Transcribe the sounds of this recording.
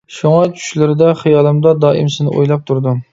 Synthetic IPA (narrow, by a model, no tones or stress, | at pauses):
ʃuŋɑt͡ʃʰy̥ʃlɪɾɪd̪ɛχijɑːlˠɨmd̪ɑd̪ɑːʔɪ̰msɪznɪʔo̰jlˠɑp̚t̪ʰuɾd̪ɨ